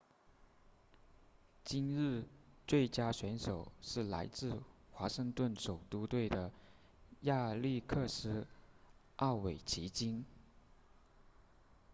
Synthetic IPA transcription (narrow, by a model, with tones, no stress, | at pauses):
t͡ɕi˥nɻɻ̩˥˧t͡swe˥˩ɪt͡ɕja˥ɕɥɛ˧˥nʂo˨˩ʊʂɻ̩˥˩la̰˧˥ɪt͡sɹ̩˥˩xwa˧˥ʂɤ˥˧ŋt̪wə˥˩nʂo˨˩ʊt̪u˥t̪we˥˩ɪd̪ə˩ | ja˥˧li˥˧kʰɤ˥˧ʂɻ̩˥ | ʔɑ˥˩ʊwe˨˩ɪt͡ɕʰi˧˥t͡ɕi˥n